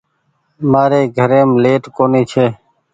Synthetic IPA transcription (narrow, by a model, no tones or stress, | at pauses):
maːɾeːɡʱəɾeːmleːʈkoːniːt͡ʃʰeː